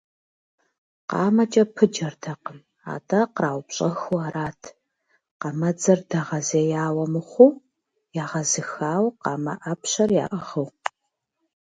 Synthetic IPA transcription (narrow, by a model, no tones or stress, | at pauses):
qɑ̰ːmɐt͡ʃʼɐpʰɨd͡ʒɐrdʰɐqəm | a̰ːtʰʼɐqraːwpɕʼɐxuaːɾaːtʰ | qɑmɐd͡zɐrdɐʁɐzeːjaːwɐmɨχʷuː | jaːʁɐzɨxaːwqɑːmɐ̰ʔɐpɕɐrja̰ːʔɐʁɨw